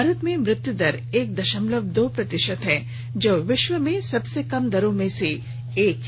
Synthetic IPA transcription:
aɾət̪mẽmɾɪt̪jud̪əɾ | eːk̚d̪ɐʃəmləbd̪ʱopɾɐt̪ɪʃət̪ɦɛ | d͡ʒoːʋɪʃʋəmẽsɐbsekɐmd̪ɐɾõmẽse | eːk

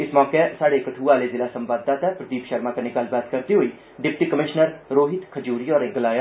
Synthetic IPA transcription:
ɪsmɔːkesaːɽekəʈʰuːaːleːzɪlaːsə̃mʋaːd̪ːaːt̪ɛpɾəd̪iːpʃəɾmaːkanɪkaːlbaːt̪kəɾt̪iɦoiː | ɖɪp̚ʈiːkəmɪʃnəɾɾoːɦɪt̪kʰəd͡ʒuːɾiːɔːɾeɡəlaːja

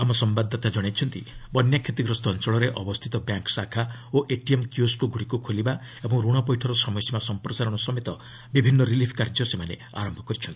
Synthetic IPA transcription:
amɔsɔmbad̪ʱːɔt̪ad͡ʒɔɽ̃ejt͡ʃʰɔnt̪ḭbɔnjakʰet̪iɡɾɔst̪ʰɔnt͡ʃɔɭɔɾeʔɔbɔst̪ʰit̪ɔbjaŋksakʰaoʔeʈiemkjuskuɡuɽikukʰoliba | ebɔŋɾuɽ̃ɔpɔjʈʰɔɾɔsɔmɔjsimasɔmpɾɔsaɾɔɽ̃ɔsɔmet̪ɔ | bibʱinːɔɾilipʰkaɾd͡ʒɔsemanḛ | a̰ɾɔmbʱɔkɔɾit͡ʃʰɔnt̪i

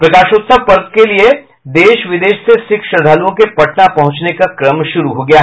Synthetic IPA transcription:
pɾɐkaːʃʊt̪səʋpɐɾd̪̚kelie | d̪eːʃʋɪd̪eːʃsesɪkʃəd̪ʱalõkepɐʈnapɐɦʊ̃t͡ʃnekakɾəmʃʊɾuɦoɡɐjaːɦ

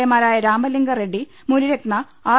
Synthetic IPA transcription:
jɐmaːɾaːjɐɾaːmɐliŋɡɐreɖi | muɾiɾekɳɐ | aː

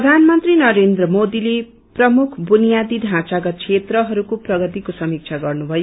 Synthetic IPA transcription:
ʌd̪ʱanmʌnt̪rinʌɾend̪rʌmod̪ile | prʌmukʰbunijad̪iɖʱãt͡saɡʌt̪̚kʰet̪rʌɦʌɾukoprʌɡʌt̪ikosʌmik̚t͡sʰaɡʌrnubʱʌjo

